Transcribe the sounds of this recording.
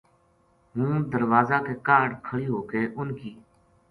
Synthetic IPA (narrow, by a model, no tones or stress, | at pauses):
ɦũːd̪əɾʋaːzaːkeːkaːɾɖkʰəɭiːɦoːkeːʔʊnkiː